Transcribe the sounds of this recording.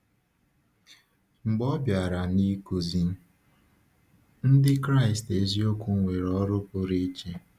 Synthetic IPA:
ŋ͡m̩˨ɡ͡bɔ˦bja˨ɾa˨ni˦ku˨zi˦ | n̩˦dɪ˦kɾa˦˨ɪ˨ste˨zi˦o˦kʷu˦ŋʷe˨ɾɔ˦ɾʊ˦pʊ˦ɾi˦t͡ʃe˦

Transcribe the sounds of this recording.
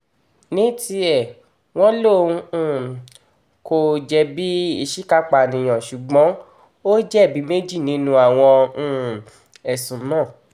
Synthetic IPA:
nĩ˨˦ti˧ɛ˦˨ | w̃ɔ̃˦lõ˦˨˧ | ko˧˨d͡ʒɛ˧bi˦i˦˧˨ʃi˦ka˦k͡pa˨nĩ˨j̃ã˨ʃu˨ɡ͡bɔ̃˨˦ | o˦d͡ʒɛ˦˨bi˨˦me˦d͡ʒi˦˨nĩ˧˦nũ˧˦a˨w̃ɔ̃˧˨ | ɛ˨sũ˨nãː˦˨

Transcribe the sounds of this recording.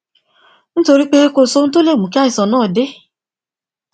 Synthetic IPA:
n̩˦to˧ɾi˦k͡pe˦e˦ko˦˨so˦n̩˦to˦le˦˨mũ˨ka˦i˨sɔ˨nɔː˦˨de˦

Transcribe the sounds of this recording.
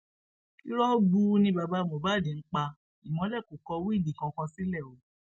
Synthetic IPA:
ki˦ɾɔ̃˦ɡ͡bu˧˦nĩ˧ba˧ba˧˦mõ˨ba˨˦˨dĩ˨˦n̩˦k͡pa˧ | i˨mɔ̃˨˦lɛ˦˨ko˨˦kɔ˧˦wi˦i˦˨di˨kã˧kã˧si˦lɛ˦˨o˨˦

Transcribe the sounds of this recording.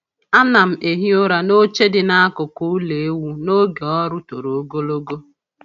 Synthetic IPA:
a˦na˨m̩˨ʔe˨ɦi˦ʊ˦ɾa˨no˦t͡ʃe˦dɪ˨na˦a˦kʊ˨ku˦u˦le˨e˦wu˦no˦ɡe˨ɔ˦ɾʊ˦to˨ɾo˨o˦ɡo˦lo˦ɡo˦

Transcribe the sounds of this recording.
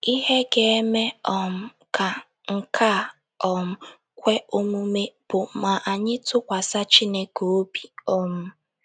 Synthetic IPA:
i˦ɦe˦ɡe˨e˦me˦ɔ˨m̩˦ | kʰa˨ | ŋ̩˨kʰa˦˨ | ɔ˨m̩˦ | kʷe˦o˦mu˦me˦b̥ʊ˨ma˨ʔa˨ɲɪ˦tʊ˦kʷa˨sa˦t͡ʃi˦ne˦ko˨o˦bi˨ɔ˦m̩˦

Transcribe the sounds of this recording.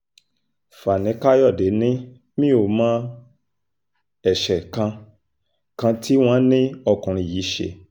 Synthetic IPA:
fa˨nĩ˨˦ka˦jɔ˦˨de˨˦nĩ˦ | mĩ˦o˦˨mã˦ | ɛ˨ʃɛ˨kã˧ | kã˧ti˦w̃ɔ̃˦nĩ˦ɔ˧˨kũ˨ɾ̃ĩ˧˦˨ji˨˦ʃḛ˧˨

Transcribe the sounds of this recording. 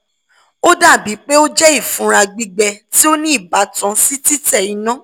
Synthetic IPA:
o˦da˦˨bi˨˦k͡pe˦o˦d͡ʒɛ˦i˦˨fũ˨˦ɾa˧ɡ͡bi˧ɡ͡bɛ˧ti˦o˦nĩ˦i˦˨ba˨˦tã˧si˦ti˦tɛ˦˨i˨˦nã˦

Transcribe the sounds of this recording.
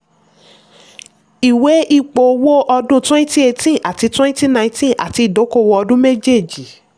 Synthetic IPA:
i˨we˨˦ʔi˦˨k͡po˨wo˦ʔɔ˧dũ˦twɛ̃˦nĩ˦ti˦e˧tĩ˦a̰˨ti˨˧˦twɛ̃˦nĩ˦ti˦nã˧ĩ˧tĩ˦ʔa̰˨ti˧˦i˦˨do˨˦ko˦˨wo˧ɔ˧dũ˦me˦d͡ʒe˦˨d͡ʒi˨

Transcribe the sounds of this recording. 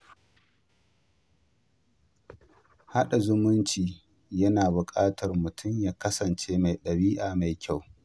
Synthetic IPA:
ha˦ɗa˨zʊ˦mʊ˦nt͡ʃiː˨ | jɐ˦naː˨bʊ˨kʼaː˦tʰɐ˨rmʊ˨tʰʊ˦˨mjaː˦kɐ˦sɐ˨nt͡ʃeː˦ma˨jɗɐ˨ɾiː˦ʔaː˨ma˨jkʲa˦˨w

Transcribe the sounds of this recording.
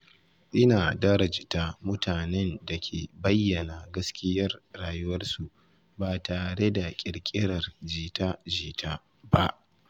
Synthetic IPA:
ʔɪ˦naː˨dɐ˦ɾɐ˨d͡ʒɪ˨taː˦mʊ˦tʰaː˨nɛ˦nda˨kʲʰeː˨bɐ˦jːɐ˨na˨ɡɐ˦skʲɪ˦jɐ˦rɽaː˨jʊ˦wɐ˦rsu˨ʔ | baː˨taː˨ɽe˦da˨kʲʼɪ˨ɽkʲʼɪ˦ɽɐ˨rd͡ʒiː˨taː˦d͡ʒiː˨tʰaː˦ | ba˦ʔ

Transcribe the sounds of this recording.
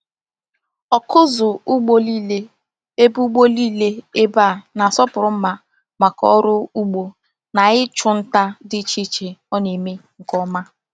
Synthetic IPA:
ɔ˨kʊ˦zʊ˨ʊ˦ɡ͡bo˦li˦le˦ | e˦bu˦ɡ͡bo˦li˦le˦e˦ba˦˨na˨sɔ˦pʊ˨ɾʊ˨˦m̩˦ma˦ | ma˨kɔ̰˦ɾʊ˦u˦ɡ͡bo˦ | na˨ɣɪ˦t͡ʃʊ˦n̩˦ta˦dɪ˦t͡ʃi˦t͡ʃe˨ɔ˦ne˨me˦ŋ̩˨kɔ˦ma˦

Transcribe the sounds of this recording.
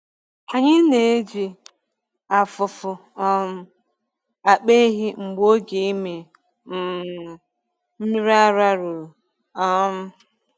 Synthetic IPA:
a˨ɲɪ˦ne˨e˦d͡ʒi˨ | a˨fʊ˨fʊ˨ | ɔ˦m̩˦ | a˨k͡pe˦ɦi˦ŋ͡m̩˨ɡ͡bo˦ɡe˦i˦me˨ | m̩˨ | m̩˦mi˦ɾa˦ɾa˦ɾʊ˨ | ɔ˦m̩˦

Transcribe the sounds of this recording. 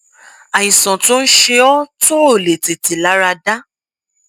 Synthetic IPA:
a˨jĩ˨sɔ̃˨to˦n̩˦ʃe˧ɔ˦to˦o˦˨le˨te˨ti˨la˨˦ɾa˧da˦

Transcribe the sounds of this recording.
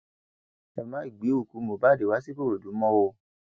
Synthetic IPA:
ɛ˨mã˨˦i˨ɡ͡bi˨˦o˦˨ku˨˦mo˨ba˦de˨wa˨˦si˦bo˦˨ɾo˨du˨˦mɔ̃˦wo˧

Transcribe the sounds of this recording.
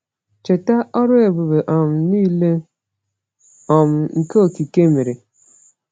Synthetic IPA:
t͡ʃe˨ta˦ʔɔ˦ɾʊ˦e˨bu˨be˨ʔɔ˨m̩˨niː˦le˦ | ɔ˨m̩˨ŋ̩˨ko˦o˨ki˨ke˦me˨ɾe˨

